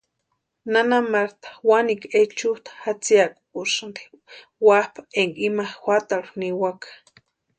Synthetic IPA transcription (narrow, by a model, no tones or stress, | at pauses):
nanamaɾt̪ḁwaniket͡ʃut̪ḁhat͡siakʼu̥kusand̪i̥ | wahpʰaeŋɡimaxʷat̪aɺuniwakḁ